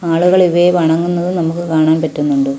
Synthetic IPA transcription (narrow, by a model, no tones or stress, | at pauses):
aːɭuɣɐɭiʋɐʋɐɳɐŋːunːɐðɨnɐmukːɨkaːɳaːnpɐtːunːuɳɖɨ